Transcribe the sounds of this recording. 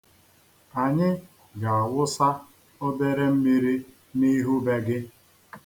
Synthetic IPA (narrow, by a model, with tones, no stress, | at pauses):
a˨ɲɪ˦ | ɡa˨a˨wʊ˦sa˦ | ɔ˦be˦ɾe˦m̩˦mi˦ɾi˦ | ni˦ɦu˦be˦ɡɪ˦